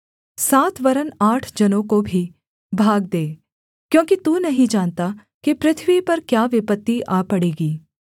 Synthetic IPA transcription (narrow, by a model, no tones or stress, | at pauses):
saːt̪ʰʋɐɾənaːʈʰd͡ʒɐnõkobʱi | bʱaːɡ̚d̪eː | kjõːkit̪unɐɦĩd͡ʒaːnt̪a | kipɾɪt̪ʰʋipɐɾkjaːʋɪpət̪ːiʔaːpɐɽeːɡiː